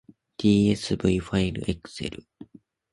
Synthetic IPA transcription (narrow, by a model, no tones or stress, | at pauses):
d̪̥ʲiːe̞sɨbɯiɸaiɾɯ̟̰ʔekɯ̥se̞̰ɾɯ̟